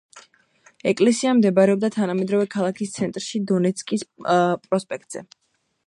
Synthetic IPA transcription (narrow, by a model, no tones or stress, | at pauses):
ɛkʼlɛsiamd̪ɛbaɾɛɔb̚d̪at̪ʰanamɛd̪ɾɔvɛkʰalˠakʰist̪sʰɛnt̪ʼɾʃid̪ɔnɛt̪sʰkʼispʼɾɔspʼɛk̚t̪ʼz̥ɛ̰